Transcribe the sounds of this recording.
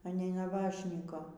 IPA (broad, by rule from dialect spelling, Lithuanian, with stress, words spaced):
ɐ ˈnʲɛɪ nɐˈbɑːʃʲnʲiːkoː